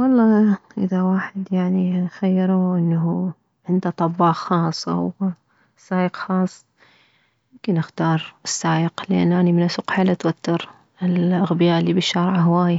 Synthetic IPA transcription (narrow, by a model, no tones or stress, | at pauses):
wɑlˤːɑːʔɪðawaːħɪd̪jaʕninxajːɪɾuʔɪnːaɦu | ʕɪnd̪at̪ˤɑbːɑːxɑːsˤːa̰w | sːaːjəqxɑːsˤː | jɪmkɪnʔɪxt̪ɑːɾˤɪsːaːjəqlɪʔa̰nːʔaːnimɪnʔasʊqħalʔat̪wat̪ːɪɾ | ɪlʔaɣbɪjaːʔɪlːiːbɪʃːɑɾˤʕaɦwaːja